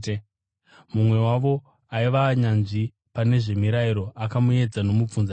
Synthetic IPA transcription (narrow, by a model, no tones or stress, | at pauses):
mumwe̞waʋo̞ | aiʋaɲanʐi | pane̞ʐe̞miɾaiɾo̞ʔakamue̞d͡zano̞mup͡funza